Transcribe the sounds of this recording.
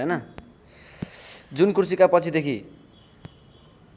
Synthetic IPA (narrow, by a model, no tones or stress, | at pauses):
enʌ | d͡zunkurusikapʌt͡sʰid̪ekʰi